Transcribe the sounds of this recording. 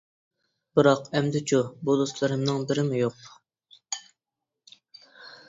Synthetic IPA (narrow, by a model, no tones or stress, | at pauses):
bɨɾɑqɛmd̪ɪt͡ʃʰubud̪oslˠɨɾɨmnɨŋbɪɾɪmujoq